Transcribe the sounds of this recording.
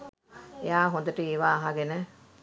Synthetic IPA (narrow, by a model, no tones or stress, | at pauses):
ejaːɦõnd̪əʈəeːʋaːɦaɡenə